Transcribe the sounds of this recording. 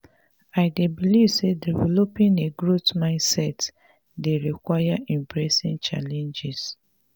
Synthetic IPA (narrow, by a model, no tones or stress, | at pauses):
aɪdebilivsedivɛlopĩneɡɹotmãɪ̃nsɛt | deɹikwajaʔĩmpɹesĩnt͡ʃa̰lɛ̃nd͡ʒis